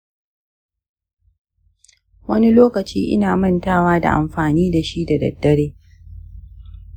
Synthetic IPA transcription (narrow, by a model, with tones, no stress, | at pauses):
wɐ˦ni˦loː˦kɐ˨t͡ʃiː˦ʔɪ̰˦naː˨mɐ˦˨ntaː˦˨waː˦da̰˨ʔa̰˨mɸaː˨niː˦da˨ʃi˦da˨dɐ̰˨d̥ːɐ˦˨ɽeː˦